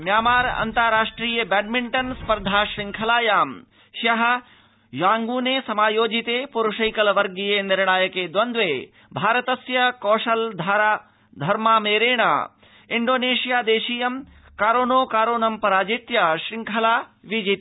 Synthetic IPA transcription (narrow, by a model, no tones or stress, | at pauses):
mjaːmaːɾɐ̰nt̪ɐɾaːʂʈɾiːjɐbɛːɖmɪɳʈɐnspɐɾd̪ʱaːʃɾɪ̃ŋkʰɐlaːjaːm | ʃɐɦɐ̆ | jãːŋɡuːneːsɐmaːjoːd͡ʒit̪eːpuɾuʃɐjkɐlɐʋɐɾɡijenɪɾɳaːjɐkeːd̪ʋɐnd̪ʋeː | bʱaːɾɐt̪ɐsjɐkɔːʃɐld̪ʱaːɾa | d̪ʱɐɾmaːmeːɾeːɳ̃a̰ː | ɪɳɖoːneːʃijaːd̪eːʃiːjɐm | kaːɾoːnoːkaːɾoːnɐmpɐɾaːd͡ʒit̪jaʃɾɪŋkʰɐlaːʋid͡ʒit̪